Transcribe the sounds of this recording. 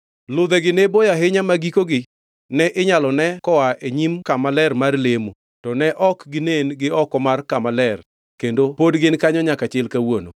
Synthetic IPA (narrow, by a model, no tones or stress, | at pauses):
lʊd̪ɛɡɪnebojaɦɪɲamaɡikoɡɪ | nɛʔɪɲalɔnɛkɔwaʔeɲimkamalɛrmarlemo | tɔnɛʔɔkɡɪnenɡɪɔkɔmarkamalɛr | kendopodɡɪnkaɲɔɲakat͡ʃɪlkawono̰